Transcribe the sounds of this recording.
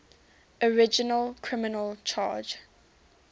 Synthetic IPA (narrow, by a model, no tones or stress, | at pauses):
əɹɪd͡ʒənəlˠkʰɹɪmɪnəlˠt͡ʃʰɑ̰ːd͡ʒ